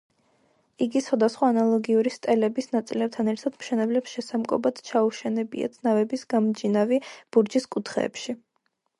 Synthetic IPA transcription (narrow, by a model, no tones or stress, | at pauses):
iɡiswad̪asχwaːnalˠɔɡiuɾist̪ʼɛlɛbisnat̪sʼilɛp̚t̪ʰanɛɾt̪ʰad̪mʃɛnɛblɛpsʃɛsamkʼɔ̰bad̪̥t͡ʃʰauʃɛnɛbḭa̰t̪sʰnavɛbisɡ̥amd͡ʒinavib̥uɾd͡ʒiskʼut̪ʰχɛ̰ːpʃi